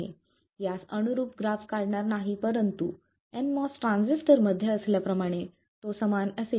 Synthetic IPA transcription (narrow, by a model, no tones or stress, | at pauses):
ḛ | jasənuɾuːpɡɾafkaɽɳaɾnaɦipəɾənt̪ṵ | enmɔsʈɾãnd͡zisʈəɾməd̪ʱjəəsljapɾəmaɽ̃e | t̪osəmanəse